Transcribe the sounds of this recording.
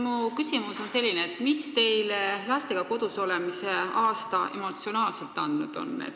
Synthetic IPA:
mukysimuso̞nse̞lʲːineːt̪ːmist̪e̞jlevæːst̪e̞ɡ̥ɑko̞d̪̥uso̞lemise̞ɑːst̪ɑʔe̞̰mo̞t̪sio̞nɑːlse̞lt̪ːˑɑnd̪̥nud̪̥o̞̰nːḛt̪

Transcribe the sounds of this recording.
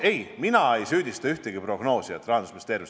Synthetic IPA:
e̞jminɑejsyːd̪ʲist̪ɑyht̪eɡ̥ipro̞ɡ̥no̞ːsiet̪ːˑrɑhɑnd̪usmist̪e̞ːrvis

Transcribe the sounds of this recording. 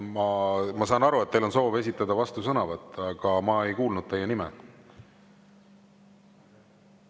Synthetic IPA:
mɑmɑsɑːnɑɾuet̪t̪ːejlo̞nso̞ːve̞s̬ʲit̪ːˑɑd̪̥ɑvɑst̪usɤnɑvɑt̪ːˑɑɡ̥ɑmɑe̞jkuːlnud̪̥̚t̪e̞jenimɛ̰

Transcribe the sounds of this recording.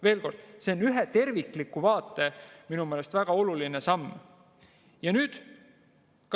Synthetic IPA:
ve̞ːlko̞rd̪̥seonyɦet̪e̞rviklikːˑuvɑːt̪ːˑe̞minume̞ːle̞st̪væɡ̥ɑo̞lulinesɑmː | jɑnyːd̪̥ | k

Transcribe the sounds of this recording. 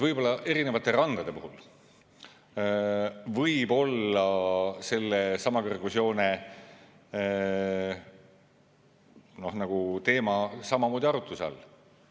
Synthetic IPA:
vɤjb̥o̞lːɑʔe̞ɾine̞vɑt̪ːˑe̞ɾɑnd̪̥ɑd̪e̞puɦul | vɤjbo̞lːɑse̞lːesɑmɑkerɡusio̞ːne̞ | no̞hnɑɡ̥ut̪e̞ːmɑsɑmɑmo̞ːd̪iɑɾut̪ːˑuseɑ̰l

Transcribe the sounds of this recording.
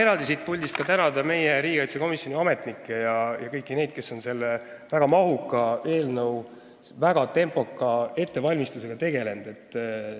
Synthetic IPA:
e̞ɾɑld̪isit̪̚pulʲd̪ist̪kɑt̪ænɑd̪ɑme̞jeɾiːɡ̥ɑjt̪seko̞misjo̞nʲiɑme̞t̪nikːˑe̞jɑjɑkɤ̞jkˑːine̞jd̪̥̚ke̞sːo̞nse̞lːe | væɡ̥ɑmɑɦukːˑɑe̞ːlnəw | væɡ̥ɑt̪e̞mpo̞kːˑɑe̞t̪ːe̞vɑlʲmist̪use̞ɡ̥ɑt̪e̞ɡe̞le̞nd̪̥e̞t̪ːˑ

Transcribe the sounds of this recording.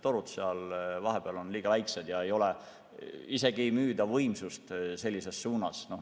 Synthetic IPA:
t̪o̞ɾut̪seɑlvɑɦe̞b̥eɑlo̞nliːɡ̥ɑvæjksed̪̥jɑe̞jo̞le̞ | ise̞ɡ̥ijmyːd̪ɑvɤjmsust̪se̞lʲːise̞sːuːnɑsno̞

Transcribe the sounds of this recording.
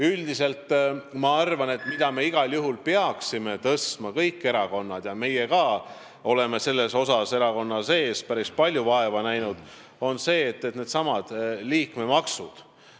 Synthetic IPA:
yld̪ise̞lt̪ːmɑɑrvɑne̞t̪ˑmid̪̥ɑme̞iɡ̥ɑljuɦulpeɑksime̞t̪ɤst̪mɑkɤjkːe̞ɾɑko̞nːɑd̪̥jɑme̞jekɑː | o̞le̞me̞se̞lːe̞so̞sɑse̞ɾɑko̞nːɑse̞ːspæɾispɑlʲjuvɑe̞vɑnæjnud̪̥ | o̞nse̞ːt̪ːet̪neːd̪̥sɑmɑd̪̥liːkmemɑksud̪̥

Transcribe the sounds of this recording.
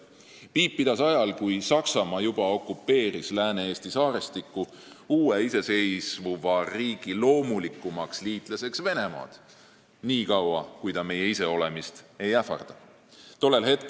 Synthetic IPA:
piːpːid̪̥ɑsɑjɑlkujsɑksɑmɑjub̥ɑo̞kːˑupːe̞ːɾislæːneeːst̪isɑːɾest̪ikːu | uːeise̞se̞jsvuvɑriːɡ̥ilo̞ːmulikːˑumɑksliːt̪ˑlese̞ksve̞ne̞mɑ̰ːd̪̥ | niːkɑwɑkujd̪ɑme̞je̞ise̞o̞le̞mist̪e̞jæfɑ̰rd̪̥ɑ | t̪o̞lːe̞lhe̞t̪̚ˑk

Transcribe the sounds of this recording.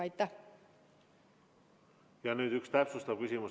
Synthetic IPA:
ɑjt̪ːæh | jɑnyːd̪̥ykst̪æpsust̪ɑvkysʲimus

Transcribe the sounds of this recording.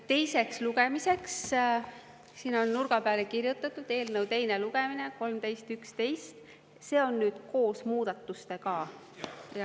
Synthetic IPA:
t̪e̞jse̞ksluɡemise̞ks | siːno̞nːurɡ̥ɑpæːlekirjut̪ːˑɑt̪ːˑud̪̥e̞ːlnəwt̪e̞jne̞luɡ̥emine̞ko̞lmt̪e̞jst̪ykst̪e̞jst̪ | se̞ːo̞nːyːd̪̥ko̞ːsmuːd̪̥ɑt̪ːˑust̪e̞kɑ | jɑ

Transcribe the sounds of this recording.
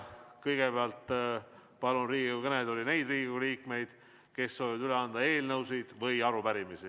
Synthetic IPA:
kɤjɡ̥e̞beɑlt̪ː | pɑlunriːɡiukɤned̪olʲine̞jd̪riːɡiɡuliːkme̞jd̪̥ | ke̞sːoːvivɑd̪yleɑnd̪ɑe̞ːlnɤwsijd̪̥vɤjɑɾupæɾimisi

